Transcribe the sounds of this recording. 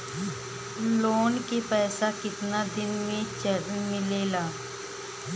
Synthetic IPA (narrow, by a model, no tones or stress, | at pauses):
loːnkepɛːsakɪt̪nad̪ɪnmẽt͡ʃəɾənmɪleːlaː